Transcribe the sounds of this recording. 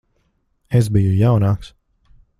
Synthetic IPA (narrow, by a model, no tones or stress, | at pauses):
es̬bijujawnaːks